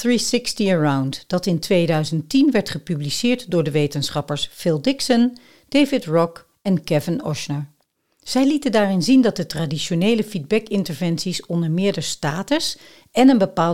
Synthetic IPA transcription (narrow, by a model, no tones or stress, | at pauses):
θɹisɪkstiəɹawntdɑtɪntʋejdœɥzəntinʋɛɹtχəpyblisɪːɹtdʊːɹdəʋejtənsχɑpəɹsfɪlˠdɪksən | d̥ejvɪtɹɔk | ɛnkɛvɪnɔʃnəɹ | z̥ɛjlitəndaːrɪnzindɑt̚dətradiʃonejləfid̚bɛkɪntəɹvɛnsisɔndəɹmɪːɹdəɹstaːtəs | ɛnənbəpaː